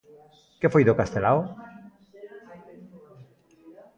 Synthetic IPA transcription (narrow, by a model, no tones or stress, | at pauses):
kefojðokast̪elaw